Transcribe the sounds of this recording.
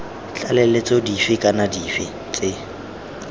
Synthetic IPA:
t͡ɬʼalɛlet͡sʼɔdifɪkʼanadifɪ̰ | t͡sʼɪ

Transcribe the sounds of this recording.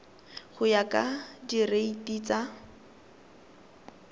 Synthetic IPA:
χʊjakʼadireitiːt͡sa

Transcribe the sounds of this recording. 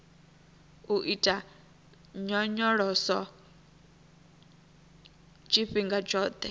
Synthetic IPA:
uʔitʼa | ɲɔɲɔɺɔsɔ | t͡ʃʼiɸiŋɡad͡ʒɔːd̪̥ɛ

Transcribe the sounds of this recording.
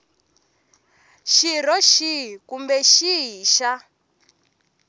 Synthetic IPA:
ʃiɾɔʃikumbɛʃiɦiːʃa

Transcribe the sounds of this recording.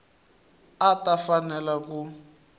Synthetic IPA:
atafanɛlaku

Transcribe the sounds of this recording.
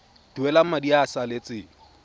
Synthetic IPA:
d̥uwɛlamadiasalet͡sʼɪ

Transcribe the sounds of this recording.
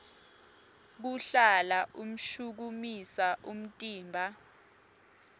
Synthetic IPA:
k̬uɬalaʔum̩ʃuk̬umisaʔum̩tʼiːmbʱa

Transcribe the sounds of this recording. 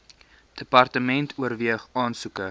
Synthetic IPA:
d̥əpɐrtəmɛntʰuərviəχɑːnsukə

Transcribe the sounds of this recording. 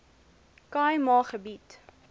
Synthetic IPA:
kɑjmɑːχəbit

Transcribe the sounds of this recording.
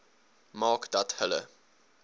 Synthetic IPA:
mɑːkd̥ɐthələ̰

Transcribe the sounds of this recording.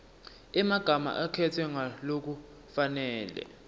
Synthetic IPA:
ɛmaɡ̥ʱama̰ʔakʰɛtʰwɛŋalok̬u | fanɛːlɛ̰

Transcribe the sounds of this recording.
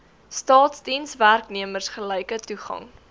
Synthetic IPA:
stɑːtsdinsværkniəmərsχəlɛjkətuχɐ̰ŋ

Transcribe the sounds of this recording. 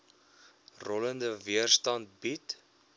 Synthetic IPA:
rɔləndəviərstɐnt̚bit

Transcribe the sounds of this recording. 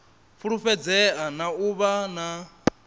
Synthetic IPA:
fuɺuɸɛd͡zɛanauβana

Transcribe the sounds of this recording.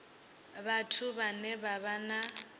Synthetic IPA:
batʰuβanɛbaβana

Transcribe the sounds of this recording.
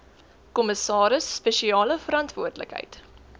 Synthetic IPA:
kɔməsɑːɾəsːpeʃiɑːləfəɾɐntvuərdlə̰kɦə̰jt

